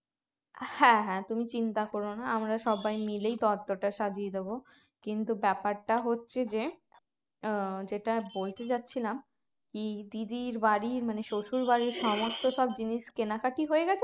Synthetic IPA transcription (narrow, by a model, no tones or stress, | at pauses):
hɛ̃ɦɛ̃t̪umit͡ɕint̪akoɾonaamɾaʃɔbajmilejt̪ɔɾt̪ːoʈaʃad͡ʑied̪ebo | kint̪ubɛpaɾʈaɦotːɕʰed͡ʑe | d͡ʑeʈabolt̪et͡ɕatːɕʰilam | kid̪id̪iɾbaɾiɾmaneʃoʃuɾbaɾiɾʃɔmost̪oʃɔbd͡ʑiniʃkenakaʈiɦoeɡɛt͡ɕʰe